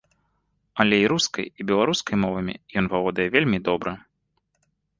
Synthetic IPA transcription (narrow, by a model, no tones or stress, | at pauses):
ɐlʲɛiɾuskɐ̰jibʲɛlˠaɾuskɐjmɔvɐmʲḭjɔnvavɔd̪ɐjɛvʲelʲmʲid̪ɔbɾɐ